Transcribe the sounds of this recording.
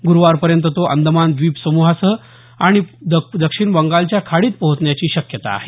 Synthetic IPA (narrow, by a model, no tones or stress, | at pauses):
ɡuɾʋaɾpəɾjənt̪ət̪oʔə̰nd̪ʱəmand̪ʋiːpsəmuɦasə | aɽ̃id̪əd̪əkʂiɳbəŋɡalt͡ɕjakʰaɽiːt̪̚pəɦut͡s̪ɳjat͡ɕiːɕəkjət̪a̰ːɦe